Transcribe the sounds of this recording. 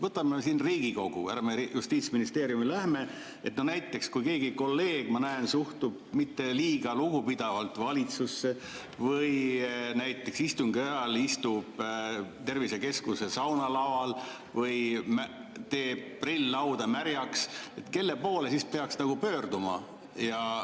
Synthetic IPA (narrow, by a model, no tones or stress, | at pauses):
vɤt̪ːˑɑmeesinriːɡ̥iko̞ɡ̥ṵæ̰ɾɑmejust̪iːt̪sminist̪e̞ːɾjumilæhme̞ | e̞t̪nonæjt̪ˑːe̞kskujke̞ːɡiko̞lːe̞ːɡ̥mɑnæensuht̪ub̥̚mit̪ːe̞liːɡ̥ɑluɡupid̪̥ɑvɑlt̪ˑvɑlʲit̪susːe | vɤjnæjt̪ˑːe̞ksist̪uŋɡiɑjɑlist̪ub̥t̪e̞rvise̞ke̞skuse̞sɑwnɑlɑwɑl | vɤjmæ | t̪e̞ːbprilːɑwd̪̥ɑmæɾjɑkse̞t̪ke̞lːe̞po̞ːle̞sispe̞ɑksnɑɡ̥upø̞ːrd̪umɑ | jɑ